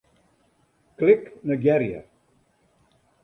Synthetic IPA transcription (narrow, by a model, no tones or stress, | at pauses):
klɪknəɡɛɾjə̰